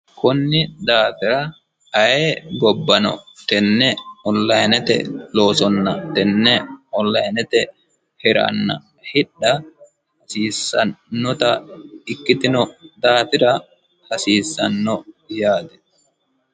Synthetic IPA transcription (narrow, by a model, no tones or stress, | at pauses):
kʊnːɪd̪aːt̪ɪɾɐ | ɐjeɡɔbːɐnɔ̰t̪ɛnːɛɔlːɐjnɛt̪ɛ̰loːsɔnːɐt̪ɛnːɛɔlːɐjnɛt̪ɛ | hɛɾɐ̰nːɐ̰ | hɪɗːɐ | hɐsiːsːɐnːɔt̪ɐɪkːɪt̪ɪnɔd̪aːt̪ɪɾɐ | hɐsiːsːɐnːɔjaːd̪ɛ